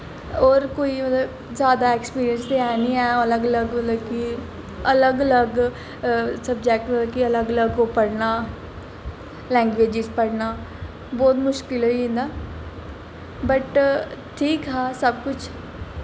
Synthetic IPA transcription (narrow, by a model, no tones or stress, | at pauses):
ɔːɾkoːimət̪ləb | zjaːd̪aːekspiːɾijənst̪eaːnĩːɛːələɡələɡmət̪ləbki | ələɡələɡ | səb̚d͡ʒɛːk̚ʈməəkiələɡələɡopəɽnaː | lɛ̃ːŋɡʋeːd͡ʒɪzpəɽnaː | bɔːt̪mʊʃkɪlɦoiɦẽːnd̪aː | bəʈʈʰiːkɦãːsəbkʊt͡ʃʰ